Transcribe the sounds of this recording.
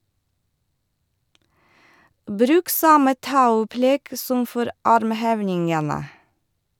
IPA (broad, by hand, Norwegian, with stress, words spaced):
ˈbɾʉːk ˈsɑmə ˈtɑʉplɛɡ ˈsɔm ˈfɔɾ ˈɑɾmˌheːʋnɪŋənə